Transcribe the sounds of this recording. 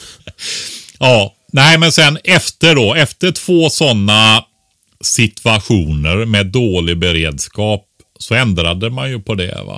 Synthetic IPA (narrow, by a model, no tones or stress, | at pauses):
jɑː | næɪmɛnsɛnɛft̪əɖɔɛft̪əʈʰv̥oːsɔnːa | sɪt̪ʰaɧuːnəɾmɛːd̪ːoːlɪɡbɛɾeːd̪skɑːp̚ | sɔɛnd̪ɾad̪əmanjɵpʰɔd̪ɛ̰va̰